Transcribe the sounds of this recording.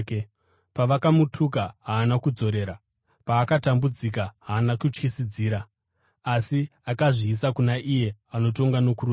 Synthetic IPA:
paʋakamutʰukaɦaːnakud͡zo̞ɾe̞ːɾa | paːkatambud͡zik̬aɦaːnakut͡ʂkisid͡ziːɾaː | siakaʐiːsakunaʔije̞ano̞to̞ŋɡano̞kuru

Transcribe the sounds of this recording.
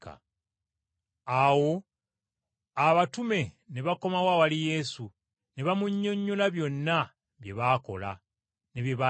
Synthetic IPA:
ka̰ | awo̞ | aβatume̞ne̞βako̞mawawalije̞su | ne̞βamuɲːo̞ɲːolaβjo̞nːa | βje̞βaːko̞̰la̰ | ne̞βje̞βa

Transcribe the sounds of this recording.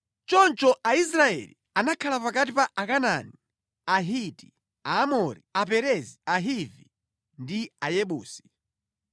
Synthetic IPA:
t͡ʃɔnt͡ʃɔʔaisɾaɛ̰lḭ | anakʰalapakatipaʔakanani | aɦiti | aːmɔɾiap̬ɛɾɛziaɦivi | ndiajɛɓuːsi̥

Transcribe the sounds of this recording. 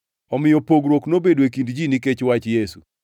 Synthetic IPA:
ɔmɪjɔpoɡɾwoknobedoekindd͡ʒiniket͡ʃwat͡ʃjesu

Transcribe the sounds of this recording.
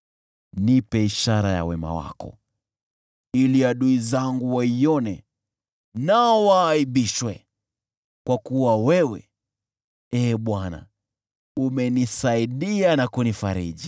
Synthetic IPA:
nipɛiʃaɾaja̰wɛma̰wa̰kɔ̰ | iliaɗuizaŋɡuwaiɔnɛ | nawaːiɓiʃwɛ | kwakuwawɛwɛ | ɛːɓwana̰ | umɛnisaiɗianakunifaɾḭʄi

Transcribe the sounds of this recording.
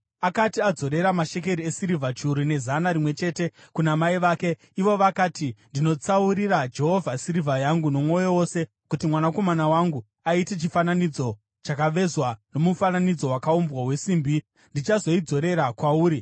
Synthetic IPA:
akatiad͡zo̞ɾe̞ɾamaʃe̞k̬e̞ɾiesiɾivʱat͡ʃuɾine̞zanaɾimwe̞t͡ʃe̞ːte̞kunamaiʋaːke̞ | iʋo̞ʋakaːtindino̞t͡sauɾirad͡ʒe̞ɦo̞vʱasiɾivʱajaŋɡuno̞mo̞jowo̞se̞ | kutimwanako̞manawaŋɡu | aite̞t͡ʃifananid͡zo̞ | t͡ʃakaʋe̞zwano̞mufananid͡zo̞wakaumbwaɦwe̞siːmbi | ndit͡ʃazo̞id͡zo̞ɾe̞ɾakwauːɾi

